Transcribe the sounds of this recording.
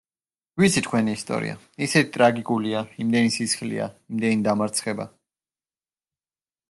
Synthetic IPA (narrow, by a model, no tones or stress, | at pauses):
wit̪sʰit̪ʰkʰwɛniːst̪ʼɔ̰ɾḭa̰ | isɛt̪ʰit̪ʼɾaɡikʼuliaimd̪ɛnisisχlḭa̰imd̪ɛnid̪amaɾt̪sʰχɛba̰